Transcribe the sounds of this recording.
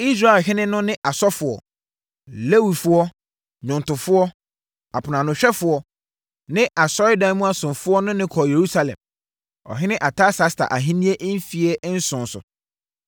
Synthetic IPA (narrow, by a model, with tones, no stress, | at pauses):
i˦s̬ɾa˦˨e˨lɦɪ̃˦nɪ̃˦nʊ̃˦nɪ̃˦ʔa˨sɔ˦fʊ˨ɔ̰˨ | le˦wi˨fʊ˦ɔ˦ | ɲʊ̃˨n˨tʊ̃˨fʊ˦ɔ˦ | a˨pʰʊ˨nã˨nʊ̃˨ɕᶣɛ˦fʊ˦ɔ˨ | nɪ̃˦ʔa˨sɔ˦ɪ˦dã˨˦mũ˦a˨sʊ̃˨nfʊ˦ɔ˦nʊ̃˦nɪ̃˦kʰɔ˨je˨ɾu˦sa˨lɛ̰̃˨m | ɔ̰˨ɦɪ̃˦nɪ̃˦ʔa˨tʰa˦sa˦stʰa̰˨ʔa˨ɦĩ˦nĩ˦e˦ʔm˦fi˨ɛ˦n̩˦sʊ̃˨n˨sʊ̰˨